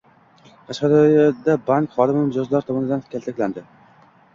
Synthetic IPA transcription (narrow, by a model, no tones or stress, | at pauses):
qʰɑʃqɑd̪ɒjad̪abaŋkχɒd̪ɪmɪmɪd͡ʒɒzlaɾt̪ʰɒmɒnɪd̪ankʲʰalˠt̪ʰakʲland̪ɪ